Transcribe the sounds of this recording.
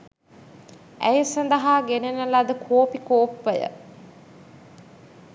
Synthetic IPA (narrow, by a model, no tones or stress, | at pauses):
æ̰jəsɐnd̪ɐɦaːɡenenəlad̪əkʰoːpikoːpʋəjə̰